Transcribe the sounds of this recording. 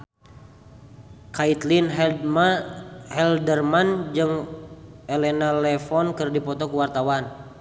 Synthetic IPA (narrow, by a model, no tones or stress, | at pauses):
kait̪linm | hɛldərmand͡ʒɨŋ | ɛlɛnalɛfɔnkɨrdipɔt̪ɔkuwart̪awan